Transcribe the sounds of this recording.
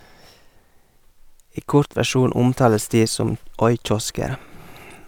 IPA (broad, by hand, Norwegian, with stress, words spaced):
ˈiː ˈkʊɾt ʋæˈʃuːn ˈʊmˌtɑːləs ˈdiː ˈsɔm ˈɔʏˌc͡çɔskəɾ